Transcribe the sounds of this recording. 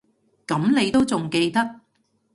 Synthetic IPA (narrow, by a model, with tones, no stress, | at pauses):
kɐ˨˥mne˨˧jt̪o˥wt͡sʊ˨ŋke˧jt̪ɐ˥k̚